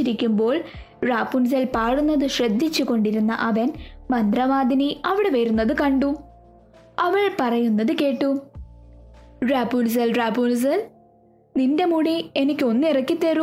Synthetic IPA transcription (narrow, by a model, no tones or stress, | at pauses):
iɾikʲːumbo̞ːɭ | raːpːuns̬ɐlpaːɽunːɐðɨɕrɐd̪ʱːit͡ɕːuko̞ɳɖiɾunːɐ̰ʔɐʋɐnmɐnd̪rɐʋaːd̪ʱiniɐʋiɽeʋɐɾunːɐðɨkɐɳɖu | ɐʋɐɭpɐrɐjunːɐðɨke̞ːʈːu | raːpːuːls̬ɐlraːpːuns̬ɐl | ninde̞muɽie̞nikʲːɨo̞nːirɐkːit̪ːeɾu